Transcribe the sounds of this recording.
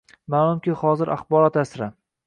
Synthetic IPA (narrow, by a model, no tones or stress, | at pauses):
malˠʊmkʲɪhɒzɪɾʔa̰χbɒɾɒt̪asɾa